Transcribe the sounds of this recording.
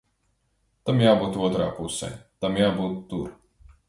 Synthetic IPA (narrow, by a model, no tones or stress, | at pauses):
t̪amjaːbuːt̪uɔt̪ɾa̰ːpusɛ̰t̪amjaːbuːt̪ːuɾ